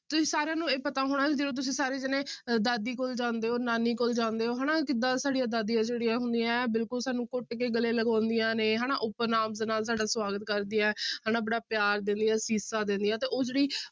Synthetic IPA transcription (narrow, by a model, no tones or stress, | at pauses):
t̪ʊsĩːsaːɾejãːnũːeːpət̪aːɦoːɽ̃aːkid͡ʒeːɽõːt̪̬ʊsĩːsaːɾeːd͡ʒɪnẽːd̪aːd̪iːkoːld͡ʒãːnd̪eːɦoːɾnaːniːkoːld͡ʒãːnd̪eːɦoːɦɛːnãːkɪd̪ãːsaːɽijaːd̪aːd̪ijãːd͡ʒeːɽijãːɦʊnd̪ijãːbɪlkʊlsaːnũːkoːʈːkeːɡəleːləɡãːnd̪ijãːneːɦɛːnaːʔʊpːənaːmzənaːls̬aːɖaːswaːɡət̪̚kəɾd̪ɪːãːhaːnãːbəɽaːpjaːɾd̪ɪ̃nd̪ijãːsiːsaːd̪ɪ̃nd̪ijãːt̪eːʔoːd͡ʒeːɽiː